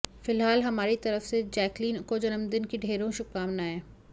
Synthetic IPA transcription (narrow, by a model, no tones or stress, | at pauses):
fɪlɦaːlɦɐmaːɾit̪ɐɾəfsed͡ʒɛːkliːnkod͡ʒɐnəmd̪ɪnkiɖʱeːɾõʃʊkaːʋnaɦɛː